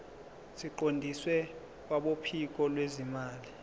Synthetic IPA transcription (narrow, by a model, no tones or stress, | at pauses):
siǃondʱiswɛ | k̬waɓopʰik̬ʼɔlwezimaːli